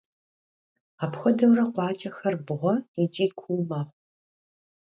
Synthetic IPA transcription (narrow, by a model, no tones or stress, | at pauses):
apxʷɔdɐwrɐqʷɑːt͡ʃʼɐxɐrbɨʁʷɔid͡ʒʼiːkʷʰuːmaːʁʷ